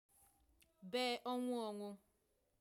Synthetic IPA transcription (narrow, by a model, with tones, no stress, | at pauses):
beː˦˨ʔɔ˦ŋʷʊ˦ɔ˨ŋʷʊ˦